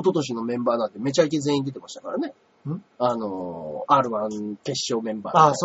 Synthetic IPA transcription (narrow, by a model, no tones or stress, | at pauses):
t̪o̞t̪o̞ɕ̬ino̞mẽ̞mbaːnãnt̪eme̞t͡ɕaik̬eze̞ːĩnd̪et̪emaɕi̥t̪akaɾane | ano̞aːɾɯ̟βãŋke̞ɕːo̞ːmẽ̞mba̰ːa